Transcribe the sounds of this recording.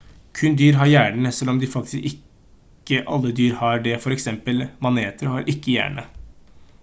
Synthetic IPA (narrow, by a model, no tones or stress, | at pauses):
kʰʉnd̪yːɾɦɑɾjæːɳɳəsɛlːɔmd̪ɪfɑkt̪ɪskɪkː | əʔɑ̰lːəd̪yːɾhɑɖɛfɔɾɛksɛmpəlmɑneːt̪əɾhɑɾʔɪkːəjæ̰ːɳə̰